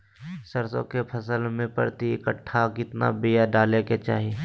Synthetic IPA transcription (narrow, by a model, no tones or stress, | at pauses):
səɾsõ̰kepʰɐsəlmẽpə̰ɾt̪iɪkəʈʰːakɪt̪na̰bijaɖaːleket͡ʃa̰ːɦi